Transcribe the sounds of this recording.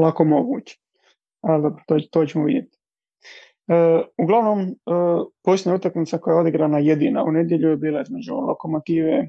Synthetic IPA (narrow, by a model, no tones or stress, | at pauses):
lˠako̞mo̞ɡṵːt͡ʃe̥ | ald̪obɾot̪ot̪ot͡ɕemoʋid̪jet̪i̥ | əuɡlˠaʋnoməːpo̞seɲaut̪akmit̪sako̞jao̞d̪iɡɾanajed̪ina̰une̞d̪je̞ʎujebiːlˠaizme̞d͡ʒṵlo̰komot̪iːʋe